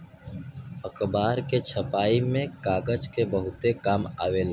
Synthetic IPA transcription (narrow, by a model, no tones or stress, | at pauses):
əkbaːɾket͡ʃʰəpaːimẽkaːɡəd͡ʒkebəɦʊt̪ekaːmaːʋel